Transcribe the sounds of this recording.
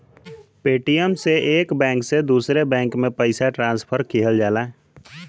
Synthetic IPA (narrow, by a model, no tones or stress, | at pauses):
peːʈijəmseʔeːkbɛ̃ːŋksed̪uːsɾebɛ̃ːŋkmẽpəɪsaʈɾãːnspʰəɾkʰeːɦəld͡ʒaːlaː